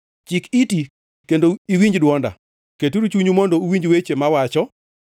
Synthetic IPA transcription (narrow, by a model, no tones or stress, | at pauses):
t͡ʃikiti | kendoiwiɲd͡ʒdwɔnda̰ | ketuɾut͡ʃuɲumɔndouwiɲd͡ʒwet͡ʃemawat͡ʃɔ